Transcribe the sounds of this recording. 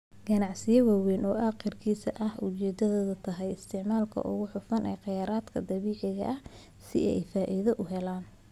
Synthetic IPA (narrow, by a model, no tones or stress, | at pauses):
ɡɐnɑʕsɪjɐwɑːwɛːnɔːʔaːqɪrkʰiːsɐʔɐhʊt͡ʃɛːd̪ɐðoːðɐt̪ʰɐɦɛjɪst̪ʰɪʕmaːlkʰɐ̰ʔʊ̰ɣʊħʊfɐnʔɛ̰ːqɪjaːɾaːd̪kʰɐd̪ɐβiːʕɪɣɐ̰ʔɐh | sɪ̰ɛɛjfaːʔɪðɐʔʊɦɛlaːn